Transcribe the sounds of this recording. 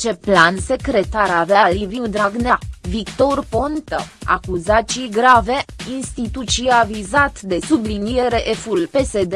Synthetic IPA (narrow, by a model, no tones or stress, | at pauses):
t͡ʃe̞planse̞kɾe̞t̪aɾaveaaliviud̪ɾaɡnavikt̪o̞rpo̞nt̪əa̰kuzat͡ʃijɡɾave̞inst̪it̪ut̪t͡ʃiavizat̪d̪e̞sublinijeɾe̞ʔefulpe̞se̞d̪e